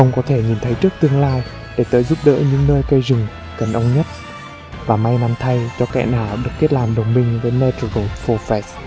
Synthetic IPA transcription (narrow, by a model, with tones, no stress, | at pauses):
xə˧wŋ͡mkɔ˨˦t̪ʰe˧˩ɲi˨˩nt̪ʰə˨˦jt͡ɕɨ˦˥ək̚t̪ɨ˧əŋlaː˧j | ɗe˧˩t̪əː˧˩jzu˦˥p̚ɗə̰ː˧˥ɲɨ̰˧˥ŋnəː˧jkə˧jzɨ˨˩ŋ | kə˨˩nʔə˧wŋ͡mɲə˦˥t̚ | vaː˨˩ma˧jna˧mt̪ʰa˧jt͡ɕɔ˧kɛ̰˧˩naː˨˩wɗɨ˨˩ək̚ːe˦˥t̚laː˨˩mɗə˨˩wŋ͡mɓï˧˩ŋ̟ve˨˦jmɛ˧t̪u˧ɔ˧˩t̚fɔ˧fɛ˦˥s